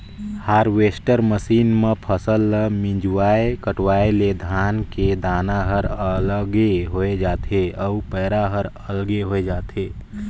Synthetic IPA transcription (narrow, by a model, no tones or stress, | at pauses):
haːɾʋeːsʈəɾməsiːnmẽpʰəsəlːəmĩd͡ʒwaːekəʈwaːeled̪ʱaːnked̪ʱaːnaɦəɾələɡeɦoed͡ʒaːt̪eəupɛːɾaɦəɾ | əlɡeɦoed͡ʒaːt̪eː